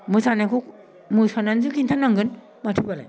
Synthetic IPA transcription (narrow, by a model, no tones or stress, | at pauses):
mɯsʰanakʰuk | mɯsʰananzɯkʰintʰanaŋɡɯn | matʰɯbala̰